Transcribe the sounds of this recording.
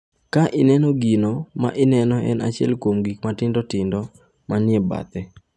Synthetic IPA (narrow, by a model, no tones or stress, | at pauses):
kaʔɪnɛnɔɡinoma̰ʔɪnɛnɔɛ̰na̰t͡ʃɪɛ̰lkwomɡikmatɪndɔtɪndɔ | manɪɛba̰t̪ɛ